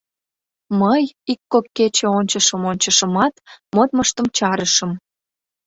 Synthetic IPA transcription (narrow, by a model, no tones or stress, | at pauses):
məjikːokːet͡ɕeonʲt͡ɕəʃəmonʲt͡ɕəʃəmɑt̪mot̪̚məʃt̪əmt͡ɕɑɾəʃəm